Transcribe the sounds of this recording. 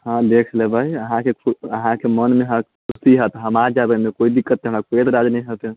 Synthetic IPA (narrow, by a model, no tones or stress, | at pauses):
hãd̪ekʰlebʱaɦiəɦãkekʰuəɦãkemənmeɦãkʰusiɦət̪ɦəmaɾd͡ʒabemekoid̪ikːət̪̚ːeɦəmɾakoet̪ɾad͡ʒnɛjɦət̪ẽ